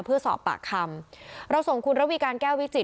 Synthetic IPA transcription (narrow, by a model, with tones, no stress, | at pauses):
pʰɯ˥˩ɐsɔ̰ː˨˩pːa̰ː˨˩kʰːa˧mɾa˧wso˨˩ŋkʰu˧nɾa˦˥wiː˧kaː˧nkɛː˥˩wi˦˥t͡ɕi˨˩